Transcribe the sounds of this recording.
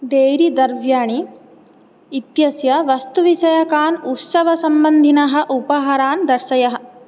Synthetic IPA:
ɖ̪eːɾid̪ɐɾʋjaːɳi | t̪jɐsjɐʋɐst̪uʋiʃɐjɐkaːnut̪sɐʋɐsɐmbɐnd̪ʱinɐɦɐ̆ʔupɐɦaːɾaːnd̪ɐɾʃɐjɐɦɐ̆

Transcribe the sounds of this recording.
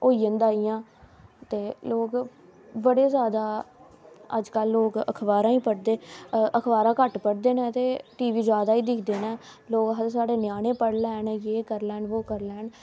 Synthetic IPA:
oːijənd̪aːijãːt̪eːloːk | bəɽeːzjaːd̪aː | ə̰d͡ʒkəlːoːkə̰kʰʋaːɾãːĩːpəɽd̪eːəkʰʋaːɾãːkəʈpəɽd̪eːnɛ̃ːt̪eːʈiːʋiːd͡ʒjaːd̪aːiːd̪ɪkʰd̪eːnɛː | loːkɦəɾsaːɖeːnɪjaːnẽːpəɽlɛːnjeːkəɾlɛːnʋoːkəɾlɛːn

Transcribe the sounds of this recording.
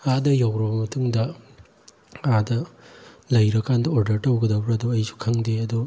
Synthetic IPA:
adɐjawɾɔbmɐtʰuŋdɐ | adɐ | lɐjɾɐkːandɐoɾdɐɾtɐwɡɐdɐbɾɐːduɐjsu̥kʰaŋdeɐdu

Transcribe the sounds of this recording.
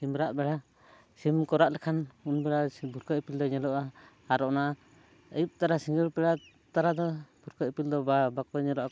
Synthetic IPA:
simɾaʔbɛɽa | simkɔɾaʔlɛkʰanunbɛɽabʱuɾkəʔpild̪ɔɲɛlɔʔa | aɾɔʔna | əjup̚t̪aɾasiŋɡəlpɛɽa | t̪aɾad̪ɔbʱuɾkəpild̪ɔbabakɔɲɛlɔʔa

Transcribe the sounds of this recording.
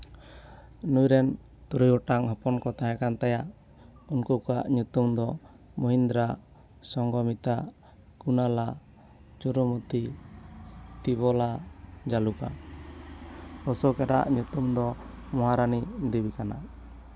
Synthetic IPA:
nujɾɛn | t̪uɾujɔʈaŋɦɔpɔnkɔt̪ajakant̪ajaʔ | unkukaʔɲut̪umd̪ɔ | muɦind̪ɾa | sɔŋɡɔmit̪a | kunala | d͡ʒuɾumut̪i | t̪iβɔlad͡ʒaluka̰ | ɔsɔkɛɾa̰ʔɲut̪umd̪ɔ | mɔɦaɾanid̪ibikana

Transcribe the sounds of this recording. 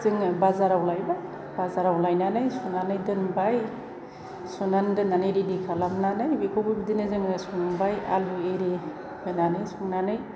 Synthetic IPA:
zɯŋbazaɾawlajba | bazaɾawlajnanɯjsunanɯjdɯnbaj | sunandɯnanɯjɾidikʰalamnanɯnbikʰobɯbidinɯzɯŋɯsuŋanbaja̰lueɾi | hɯnanɯjsuŋnanɯj

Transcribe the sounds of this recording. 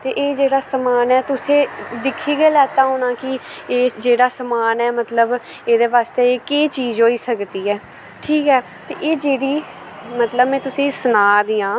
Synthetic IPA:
t̪eːʔeːd͡ʒeːɽaːsəmaːnɛːt̪ʊsẽːd̪ɪkʰːiːɡeːlɛːt̪aːɦoːnãːkɪeːd͡ʒeːɽaːsəmaːnɛːmət̪ləb | eːd̪eːʋaːst̪eːeːkeːt͡ʃiːzɦoːiːsəkd̪iːɛː | ʈʰiːkɛː | t̪ḛːʔeːd͡ʒeːɽiː | mət̪ləbmɛ̃ːt̪ʊsĩːsənaːd̪iːãː

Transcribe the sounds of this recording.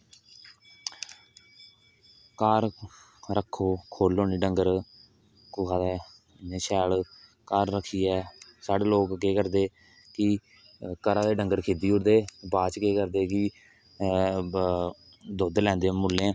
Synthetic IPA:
kaːɾ | ɾəkʰːoːkʰoːloːniːɖəŋɡəɾ | kʊkʰaːd̪ɛː | neːʃɛːl | kaːɾːəkʰːiːɛːsaːɖeːloːkɡeːkəɾd̪eː | kɪ | kəɾaːd̪eːɖəŋɡəɾkʰeːd̪iːʊɽd̪eːbaːt͡ʃkeːkəɾd̪eːkɪ | d̪oːd̪lɛ̃ːnd̪eːmʊlːẽː

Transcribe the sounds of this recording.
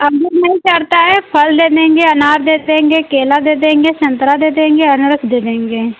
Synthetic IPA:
əɡəɾnəɦĩːt͡ʃəɾt̪aɦɛːpʰəld̪eːd̪ẽːŋɡeːənaːɾd̪eːd̪ẽːŋɡeːkeːlad̪eːd̪ẽːŋɡeːʃə̃nt̪ɾaːd̪eːd̪ẽːŋɡeːənʊɾəkʰd̪eːd̪ẽːŋɡeː

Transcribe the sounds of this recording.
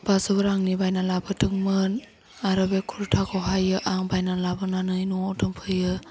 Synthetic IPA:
b̥azɯbɯɾaŋnibajnalabɯtʰɯŋmɯn | aɾɯbekʰuɾtʰakʰɔɦajɯʔaŋbajnalabɯnanɯjnɔɔtʰɯmpʰɯjɯ

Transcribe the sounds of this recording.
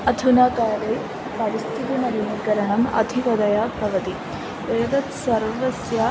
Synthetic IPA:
ɐd̪ʱunaːkaːɾeː | pɐɾist̪ʰit̪inɐɾunɐkɐɾɐɳɐmɐ̰d̪ʱiʋɐd̪ɐjapɾɐʋɐt̪i | ʋeːʋɐt̪sɐɾʋɐsjɐ

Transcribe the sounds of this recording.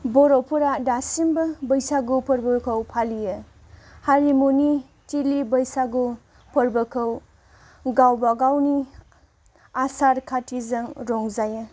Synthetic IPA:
bɔɾɔpʰuɾadasimbɐbɐjsaɡupʰɔɾbɐkʰɐwpʰalijɯ | haɾimuni | tilibɐjsaɡu | pʰɔɾbɐkʰɐw | ɡawbaɡawni | asaɾkʰatʰizɐŋɾɔŋzajɯ

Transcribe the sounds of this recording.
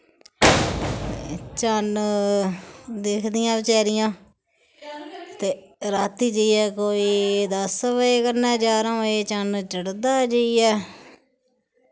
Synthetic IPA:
t͡ʃən | d̪ekʰd̪ɪjãːbɪt͡ʃɛːɾɪjãː | t̪eːɾaːt̪iːd͡ʒəiɛːkoːiːd̪əsʋəeːkəɾnɛːd͡ʒaːɾõːeːt͡ʃənt͡ʃəɽd̪aːd͡ʒəiːɛː

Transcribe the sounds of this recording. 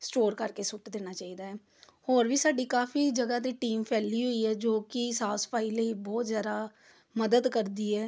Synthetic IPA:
sʈoːɾkəɾkesʊʈd̪eːnaːt͡ʃaːiːd̪aːɦɛː | hoːɾbʱiːsaːɖiːkaːfiːd͡ʒəɡat̪̬iʈiːmpʰɛːliɦoiɦɛːd͡ʒoːkisaːspʰaːileibɔːt̪zjaːd̪aː | məd̪əd̪kəɾd̪iːɦɛː

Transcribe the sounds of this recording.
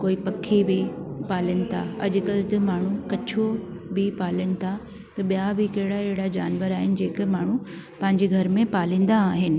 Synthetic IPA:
koːipɐkʰːibɪpaːləñɪ̆t̪ʰa̰ɐʄʊkɐlt̪ɐmaːɳ̤ukɐt͡ɕʰobɪpaːləɽ̃ɪ̆t̪ʰa | t̪ɐɓijabɪkɐɦɪɽaeɦɪɽad͡ʑaːnʋəɾaːɦɪnɪ̆d͡ʑeːk̆maːɳ̤u | pɐ̃ɦɪ̃ɲd͡ʑeɡʱɐɾmẽpaːlĩːn̆d̪aːɦɪnɪ̆

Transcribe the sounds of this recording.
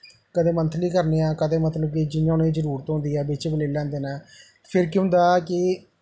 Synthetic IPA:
kəd̪eːmə̃nt̪ʰnĩːkəɾneːãːkəd̪eːmət̪ləb̚kid͡ʒɪnjãːnũeːd͡ʒəɾuːɾət̪ɦõnd̪iːɛːbɪt͡ʃeːbəleːlãːnd̪eːnaː | pʰɪɾkɪɦʊ̃nd̪aːkɪ

